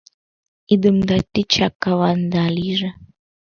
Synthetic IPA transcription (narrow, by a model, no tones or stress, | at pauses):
id̪ɨmd̪at̪ʲːit͡ʃakːawand̪aliʒə